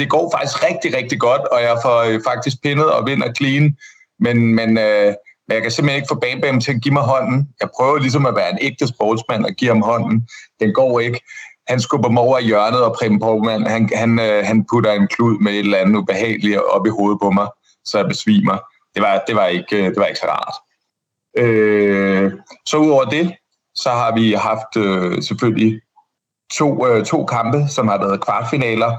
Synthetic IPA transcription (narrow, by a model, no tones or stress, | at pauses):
d̥e̝ɡ̥ɒ̰ːfɑ̈ɡ̥isɡ̥ʁɛɡ̥̚d̥iʁɛɡ̥̚d̥iɡ̥ɒ̽d̥ɒ̽jɑ̈ɪfɒøfɑ̈ɡ̥̚d̥is̬ɡ̥̚pʰe̝nəð̞̩ˠɒ̽ʋe̝n̰ɐkʰliːn | menmenømenjɑkæse̝mheneɡ̥fɔ̰ːb̥ɛ̰ːnb̥eːm̩t͡sʰe̝æɡ̥imɑ̈ɪɦɒ̽n̰n̩jɑ̈ɪpʰʁœːʊɐlis̬ɒ̽mæʋæːɐe̝neɡ̥̚d̥əsb̥ɒːd̥smæn̰ɒ̽ɡ̥ḭhɑ̈mɦɒ̽n̰n̩d̥enɡ̥ɒ̰ːe̝ɡ̥əhænsɡ̥ob̥ɐmɒʊ̰ɐijɶɐnəð̞̩ˠɒ̽pʰʁɛm̩pʰɒbmæn̰hænhænøɦænpʰudɐe̝nkʰluð̞̰ˠmee̝d̥lænð̩ˠub̥e̝ɦɛ̰ːliɒ̽b̥iɦo̝ːð̞̩ˠpʰɒ̽mɑ̈ɪ | sɒ̽jɑb̥e̝sʋḭːmɐ | d̥e̝ʋɑ̈d̥e̝ʋɑ̈e̝ɡ̥əd̥e̝ʋɑ̈e̝ɡ̥sɒʁɑ̰̈d̥ | ø | sɒ̽uðˠɒʊ̰ɐd̥e̝ | sɒ̽ɦɑ̈ʋiɦɑ̈fd̥øseføl̰li | t͡sʰo̝̰ːøt͡sʰo̝̰ːkʰɑ̈mb̥əsɒ̽mhɑ̈ʋɛːð̞̩ˠkʰʋɑ̥̈finɛ̰ːlɐ